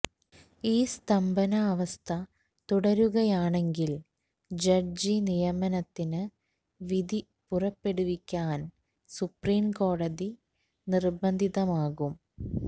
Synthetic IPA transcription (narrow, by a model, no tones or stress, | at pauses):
iːst̪ɐmbɐnɐːʋɐst̪ʰɐ | t̪uɽɐɾuɣɐjaːɳe̞ŋɡil | d͡ʑɐrd͡ʑinijɐmɐnɐt̪ːinɨ | ʋid̪i | purɐpːe̞ɽuʋikʲːaːn | supriːmko̞ːɽɐði | nirbɐnd̪ʱiðɐmaːɣum